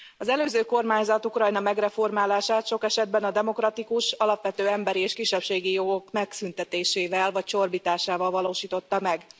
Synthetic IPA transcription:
ɒzɛløːzøːko̞rmaːɲzɒt̪ukrɒjnɒmɛɡrɛfo̞rmaːlaːʃaːt̪ʃo̞kɛʃɛd̪bɛnɒd̪ɛmo̞krɒt̪ikuʃɒlɒpʋɛt̪øːɛmbɛɾieːʃkiʃːɛpʃeːɡijo̞ɡo̞kmɛksynt̪ɛt̪eːʃeːvɛlvɒc̚t͡ʃo̞rbiːt̪aːʃaːvɒlvɒloːʃiːt̪o̞t̪ːɒmɛɡ

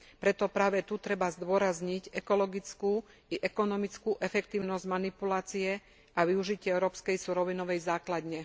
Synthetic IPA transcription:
pɾɛt̪ɔpɾaːʋɛt̪ut̪ɾɛbazd̪ʊɔɾazɲiɟɛkɔlɔɡit͡sku | iʔɛkɔnɔmit͡skuʔɛfɛkt̪iːʊnɔzɟmanipulaːt͡siɛ | ʔaʋiuʒicɪɛɛʊɾɔːpskɛjsuɾɔʋinɔʋɛjzaːklad̪ɲɛ

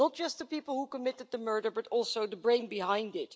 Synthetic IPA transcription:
nət̚d̥ʒ̥ʌst̪̚ðəpipl̩ˠhukəmɪɾɨd̪̚ðəmɜ˞ɾə˞bʌɾɔlˠsoʊðəbɹẽɪ̃nbɨɦãɪ̃ndɪt̚

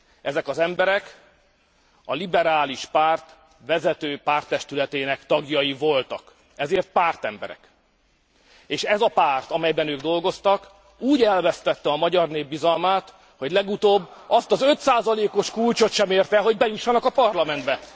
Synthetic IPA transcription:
ɛzɛkɒzɛmbɛɾɛk | ɒ̰libɛɾaːliʃpaːrt̪ | ʋɛzɛt̪øːpaːrt̪ːɛʃt̪ylɛt̪eːnɛkt̪ɒɡjɒjivo̞lt̪ɒk | ɛzeːrt̪̚paːrt̪ɛmbɛ̰ɾɛ̰k | eːʃɛzɒpaːrt̪ɒmɛjbɛnøːɡd̪o̞lɡo̞st̪ɒk | uːɟɛlvɛst̪ɛt̪ːɛɒmɒɟɒrneːbːizɒlmaːt̪ | ho̞ɟlɛɡut̪oːbːɒst̪ɒzø̞t̪saːzɒleːko̞ʃkult͡ʃo̞t̪ʃɛmeːrt̪ɛɦo̞ɟbɛjuʃːɒnɒkɒpɒrlɒmɛnd̪bɛ

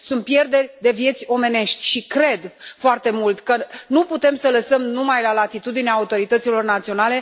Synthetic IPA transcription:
sunt̪̚pje̞rd̪e̞rʲd̪e̞vje̞t̪sʲo̞me̞ne̞ʃt̪ʲʃikɾe̞d̪foart̪e̞mult̪kənuput̪e̞msələsəmnumajlalat̪it̪ud̪ineaːut̪o̞ɾit̪ət̪silo̞rnat̪sio̞nale̞

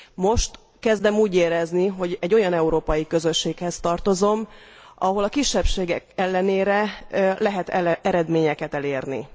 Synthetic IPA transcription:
mo̞ʃt̪ | kɛzd̪ɛmuːɟeːɾɛzniɦo̞ɟɛɟːojɒnɛuɾoːpɒjikøzø̞ʃːeːkhɛst̪ɒrt̪o̞zo̞m | ʔɒɦo̞lɒkiʃːɛpʃeːɡɛkɛlːɛneːɾɛlɛɦɛt̪ɛɾɛd̪meːɲɛkɛt̪ɛleːrnḭ

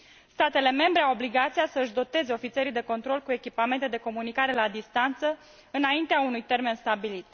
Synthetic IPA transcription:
st̪at̪e̞le̞me̞mbɾe̞awo̞bliɡat̪sijasəɨʃd̪o̞t̪e̞ze̞o̞fit̪se̞ɾijd̪e̞ko̞nt̪ɾo̞lkue̞kʲipame̞nt̪e̞d̪e̞ko̞munikaɾe̞lad̪ist̪ant̪sə | ɨnaint̪eaunujt̪e̞rme̞nst̪abilit̪̚

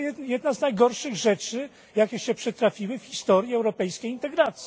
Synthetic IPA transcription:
ɛjɛd̪naznajɡɔɾʂɘɣʐɛt͡ʂɘ | jakʲɛɕɛpʂɛt̪ɾafʲiwɘfxʲist̪ɔɾʲjiɛwɾɔpɛjskʲejint̪ɛɡɾat̪sʲi

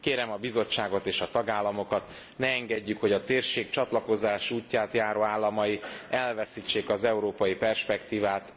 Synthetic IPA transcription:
keːɾɛmɒbizo̞t͡ʃːaːɡo̞t̪eːʃɒt̪ɒɡaːlːɒmo̞kɒt̪ | nɛːŋɡɛɟːykho̞ɟɒt̪eːrʃeːk̚t͡ʃɒt̪lɒko̞zaːʃuːcːaːt̪jaːɾoːaːlːɒmɒjiʔɛlvɛsit͡ʃːeːkɒzɛuɾoːpɒjipɛrʃpɛkt̪iːvaːt̪

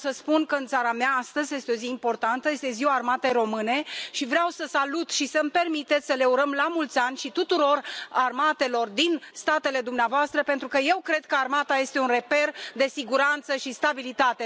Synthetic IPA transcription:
səspunkəɨnt̪saɾameaast̪əzʲje̞st̪eo̞ziːmpo̞rt̪ant̪əje̞st̪e̞ziwaːrmat̪e̞jɾo̞mɨne̞ʃivɾeawsəsalut̪ʃisəmpe̞rmit̪et̪sʲsəle̞uɾəmlamult̪sʲanʲʃit̪ut̪uɾo̞rarmat̪e̞lo̞rd̪inst̪at̪ele̞d̪umneavoast̪ɾəpe̞nt̪ɾukəje̞wkɾe̞d̪̚kəarmat̪aje̞st̪e̞unre̞pe̞rd̪e̞siɡuɾant̪səʃist̪abilit̪at̪e̞

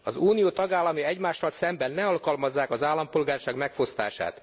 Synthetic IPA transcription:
ɒzuːnijoːt̪ɒɡaːlːɒmiɛɟmaːʃːɒlsɛmbɛnːɛɒlkɒlmɒzːaːkɒzaːlːɒmpolɡaːrʃaːɡmɛkfo̞st̪a̰ːʃa̰ːt̪

